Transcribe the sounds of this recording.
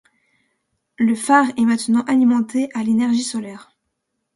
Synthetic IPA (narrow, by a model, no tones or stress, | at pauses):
ləfaʁɛmɛ̃t̪nɑ̃ʔalimɑ̃t̪eʔalenɛʁʒisɔlɛːʁ